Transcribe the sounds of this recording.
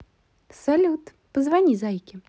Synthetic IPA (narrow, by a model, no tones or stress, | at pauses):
salʲut̪ | pəzvanʲizajkʲɪ